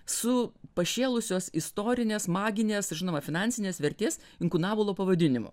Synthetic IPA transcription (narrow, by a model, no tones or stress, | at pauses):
sʊpɐʃʲeːlˠʊsʲoːsɪst̪oːɾʲɪnʲeːsmɑːɡʲɪnʲeːsʒʲɪnoːmɐfʲɪnɑˑnʲsʲɪnʲeːsʋʲɛɾʲt̪ʲeːs | ɪŋkʊnɑːbolˠoːpɐʋɐd̪ʲɪnʲɪmʊ̰